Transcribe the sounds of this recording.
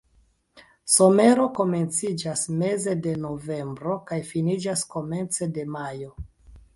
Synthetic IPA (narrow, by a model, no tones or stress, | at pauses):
so̞me̞ɾo̞ko̞me̞nt͡sid͡ʒasme̞ze̞de̞no̞ve̞mbɾo̞kajfinid͡ʒasko̞me̞nt͡se̞de̞majo̞